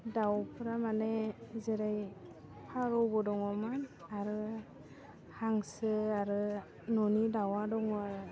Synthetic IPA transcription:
dawpʰɯɾamanezeɾaj | pʰaɾɔbɔdɔŋɔmanaɾɯ | haŋsɯaɾɯ | nɔnidawadɔŋaɾ

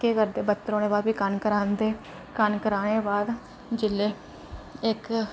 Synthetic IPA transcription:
keːkəɾd̪eːbət̪ːəɾoːɽ̃eːbaːd̪biːkənkəɾaːnd̪eː | kənkəɾaːɽ̃eːbaːd̪ | d͡ʒɪlːeː | ɪk

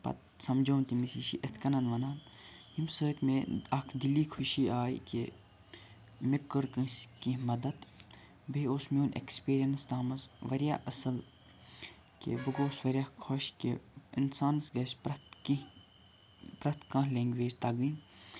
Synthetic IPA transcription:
pɐ̰t̪sɐmd͡ʒoːnt̪imisiʃḭʔɐt̪ʰkɐnɐnʋɐnaːn | himsəːt̪ʲmeɐkʰd̪iliːkʰuʃiːaːḭke | mikːəɾkɨskĩmɐd̪ɐd̪ | bʱeoːsmoːnʔḛkspeːɾijɐnst̪aːmɐzʋɐɾja̰ːʔɐsɐl | kḛbɨɡoːsʋɐɾʲjakkʰoʃkeinsaːnɐsɡɐsʲpt̪i | pɾɐt̪kɐ̃ɦleːŋɡʲʋeːzʲt̪ɐɡiːn

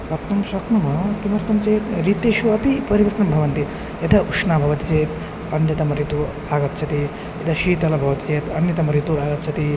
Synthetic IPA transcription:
pɐt̪ːɐmʃɐkɳɐmɐkimɐɾt̪ɐmt͡ʃeːt̪ɾiːt̪eːʃuɐpipɐɾiʋɐɾt̪ɐnɐmbʱɐʋɐnt̪i | ɐd̪ʰʱɐʔukʂnaːbʱɐʋɐt̪it͡ʃeːt̪ | ɐnjɐt̪ɐmɐɾit̪u | aːɡɐt̪ːt͡ʃʰɐt̪i | ɐt̪ʰɐʃiːt̪ɐlɐbʱɐʋɐt̪it͡ʃeːt̪ɐnjɐt̪ɐmɐɾit̪uaːɡɐt̪t͡ʃʰɐt̪i

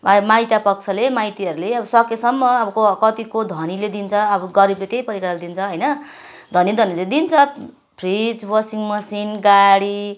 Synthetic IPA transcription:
majt̪japʌk̚t͡sʰʌlemajt̪iʌɾuleʌbʌsʌkesʌmːʌːbʌkokʌt̪ikod̪ʱʌniled̪int͡sʰʌʌbʌɡʌɾiblet̪ejpʌɾikaɽaled̪int͡sʰʌɦʌjnʌ | d̪ʱʌnid̪ʱʌniled̪int͡sʰʌ | bʰʱrid͡zbʌsiŋmʌsinɡaɽi

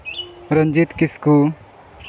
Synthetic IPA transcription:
ɾəɲd͡ʒit̪kisku

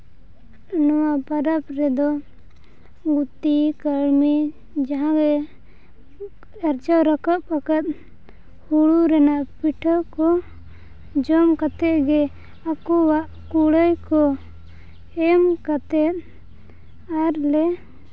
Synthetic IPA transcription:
nɔwapaɾapɾɛd̪ɔ | ɡut̪ikəɽmɛ | d͡ʒaɦãɡɛ | aɾd͡ʒawɾakaʔ̚pakat̪̚ | huɽuɾɛnaʔpiʈʰəkɔ | d͡ʒɔmkat̪ɛt̪̚ɡɛ | akɔwaʔ | kuɽəjkɔ | ɛmkat̪ɛt̪̚ | aɾlɛ

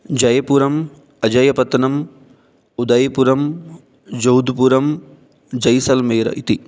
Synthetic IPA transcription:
d͡ʒɐjɐpuːɾɐm | ɐd͡ʒɐjɐpɐt̪ɐnɐm | ud̪ɐjɐpuɾɐm | d͡ʒɐud̪ʱpuːɾɐm | d͡ʒɐjsɐlmeːɾɐ̰ʔit̪i

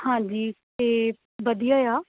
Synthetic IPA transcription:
hãːd͡ʒiːt̪eː | ʋəd̪ijaːjaː

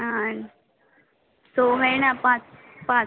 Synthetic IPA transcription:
an | soɦənapãt͡s | pã

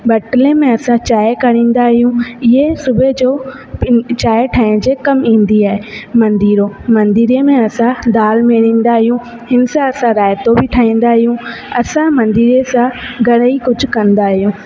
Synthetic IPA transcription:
bɐʈlemẽɐsãt͡ɕaːɪkɐɽ̃ĩːnd̪aɦijũɪɦesʊbd͡ʑoː | t͡ɕaːɪʈʰaːɪɽ̃d͡ʑeːkɐmĩːn̆d̪iaːɦemɐ̃nd̪iːɾomɐ̃nd̪iːɾemẽɐsãd̪aːlmeɾĩːn̆d̪aɦijũ | ɦɪnsãɐsãɾaːɪt̪obɪʈʰaːĩːn̆d̪aɦijũɐsãmɐ̃nd̪iːɾesãɡʱɐɽəikʊd͡ʑʱʊ̆kɐ̃nd̪aːɦijũː

